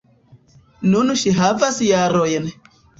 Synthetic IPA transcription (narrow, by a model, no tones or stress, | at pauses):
nunuʃiɦavasijaɾɔjɛnɛ